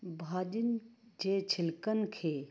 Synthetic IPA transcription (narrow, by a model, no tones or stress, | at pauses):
bʱaːd͡ʒind͡ʒeːt͡ʃʰɪlkənkʰeː